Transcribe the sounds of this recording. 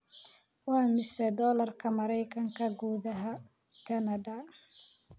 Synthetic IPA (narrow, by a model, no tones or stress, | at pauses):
wɑːmɪsɛd̪ɔːlɐrkʰɐmɐɾɛjkʰɐŋkʰɐɡuːðɐɦɐ | kʰɐnɐðɐ